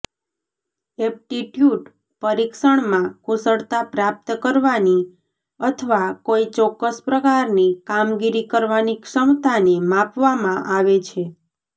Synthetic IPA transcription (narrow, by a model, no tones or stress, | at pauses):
ɛp̚ʈiʈjuɖ | pəɾikʃəɳmãkʊsəɭt̪apɾap̚t̪əkəɾʋani | ət̪ʰəʋakoit͡ʃɔkːəspɾəkaɾnikamɡiɾikəɾʋanikʂəmt̪anemapʋamãʔaʋet͡ʃʰe